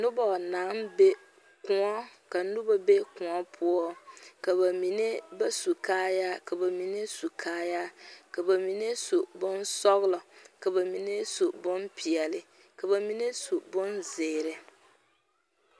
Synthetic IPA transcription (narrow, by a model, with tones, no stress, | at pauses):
nʊ˦bɔ˨naː˨˦mbe˦ | kʊ˨ŋɔ˦ka˨nʊ˦ba˦be˦kʊ˨ŋɔ˦pʰʊ˦ɔ˦ka˨ba˨mi˨ne˦ba˦su˨kaː˦ja˦ka˨ba˨mi˨ne˦su˨kʰaː˦ja˦ka˨ba˨mi˨ne˦so˨bʊ˦nsɔ˦ɣɪ˦lɔ˨ka˨ba˨mi˨ne˦so˨bʊ˦npi˨ɛ˨lɪ˨ | ka˨ba˨mi˦ne˦su˨bʊ˦nzeː˨ɾɪ˨